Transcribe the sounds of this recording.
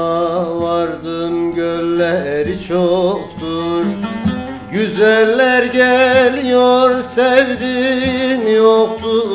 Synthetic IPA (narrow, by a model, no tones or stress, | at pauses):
vaɾd̪ɯmɟølːɛɾit͡ʃʰokt̪uɾ | ɟyzælʲːæɾɟɛlijoɾsɛvd̪imjokt̪ʰu